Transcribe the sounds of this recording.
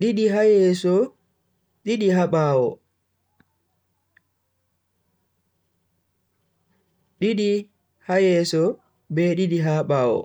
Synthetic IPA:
ɗiɗiɦajɛsɔ | ɗiɗiɦaɓaːwɔ̰ | ɗiɗi | hajɛsɔ | bɛɗiɗiɦaɓaːwɔ̰

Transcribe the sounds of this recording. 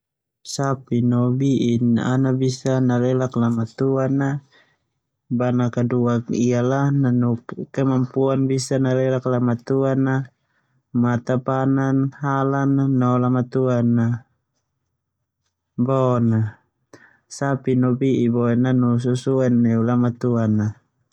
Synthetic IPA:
sapinɔbiʔina̰nabisanalɛlaklamat̪uana | banakaduakialananukkɛmampuanbisanalɛlaklamat̪uana | mat̪apananɦalanaːɔlamat̪uanːa | bɔna | sapinɔbiʔibɔɛnanus̬usuɛnːɛulamat̪uana

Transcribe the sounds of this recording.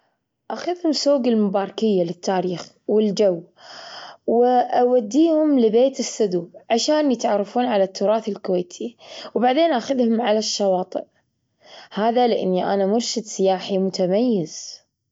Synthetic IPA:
ʔaxʊðhʊmsoːɡɪlmʊbɑːɾˤɑkɪjːalɪt̪ːaːɾiːx | wɪld͡ʒawː | wɪʔawad̪ːiːhʊmlɪbeːt̪ɪsːʊd̪uːʕaʃaːnjɪt̪ʕɑrˤːɑfuːnʕalat̪ːʊɾˤɑːθɪlkʊweːt̪ʰiwbaʕd̪eːnʔaxʊðhʊmʕalaʃːɑwɑːt̪ˤɨ̰ʔ | haːðalɪʔɪ̰nːiʔa̰namʊɾʃɪd̪sɪjaːħimʊt̪ʰamajːɪz̥

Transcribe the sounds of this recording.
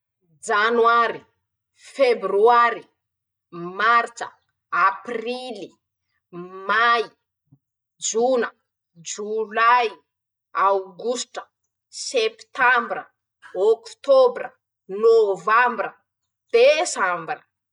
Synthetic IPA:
d͡ʒanwaɾi | februaɾi | maɾt͡ʃə̰ | aprili | maj | d͡ʒunə | d͡ʒulaj | awɡusʈ͡ʂə̥ | sept̪ambrə | okt̪obɾə | novambrə | d̪̥esambrə

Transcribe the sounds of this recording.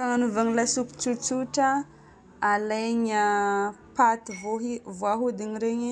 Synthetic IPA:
kaŋanuvaŋilasuku̥t͡sut͡suʈ͡ʂaː | lajɲapat̪ivoɦivoaɦud̪iɲiɾeɲi

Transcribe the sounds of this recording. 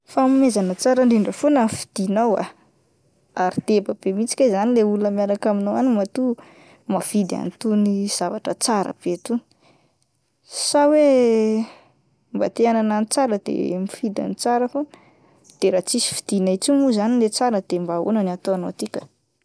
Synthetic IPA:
famimezanət͡saɾəɳɖ͡ʐiɳɖ͡ʐəfonəmifi̥d̪̥inawa̰ | aɾid̪̥ebab̥emit͡si̥kʲazanileulunəmiaɾakaminowanimat̪u | mafid̪a̰nt̪uniz̥avaʈ͡ʂət͡saɾə̰b̥et̪uni̥ | sawe | mba̰t̪eanananit͡saɾəd̪ḛmifid̪a̰nit͡saɾəfonə | d̪̥eɾat͡sisi̥fi̥d̪̥inait͡simuzanilet͡saɾəd̪̥embao̰nəniat̪oanot̪ikʲə̥

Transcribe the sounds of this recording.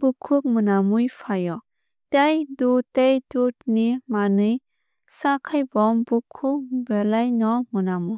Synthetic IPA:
b̥ukʰːuk̚mɯnamujpʰajɔ | tajdutajdut̚nimanɯj | sakʰajbɔmbukʰuk̚belajnɔmɯnamu

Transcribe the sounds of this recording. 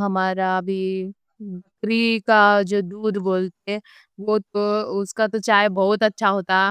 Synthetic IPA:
ɦɐmaːɾabʱi | bɐkɾikad͡ʒoːd̪uːd̪ʱboːlt̪eɦɛ | ʋot̪oʊskat̪ot͡ʃaːjbɔɦʊt̪ɐtːʃʰaɦoːt̪aɦɛ

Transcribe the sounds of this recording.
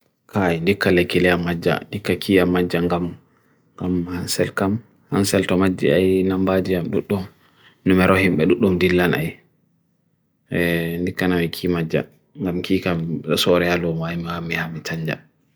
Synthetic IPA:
kʰajndikːalekːilɛamad͡ʒːa̰ndikːakʰiːjamːad͡ʒːaŋɡam | ɡamhansɛlkam | ha̰nsɛltɔmad͡ʒːḭajnambad͡ʒijamɗuɗːum | numɛɾɔhimɓɛɗuɗːumdilːana̰j | ndikːanawikʰimad͡ʒːa̰ | ŋɡamkiːkasɔɾɛalɔmaimhamihamitʰaɲd͡ʒa̰

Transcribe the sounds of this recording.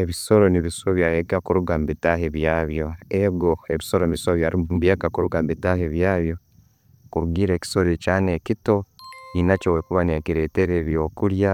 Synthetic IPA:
e̞βiso̞ɾo̞niβiso̞βjajekakuɾuɡambitaheβjaːβjo̞eɡo̞eβiso̞ɾonisoβjaɾimbjeːkakuɾuɡambitaheβjaːβjo̞ | kuɾuɡiːɾe̞ːki̥so̞ɾecaːne̞kito̞inacowekuβanekiɾe̞ːteɾeβjo̞ːkuɾja

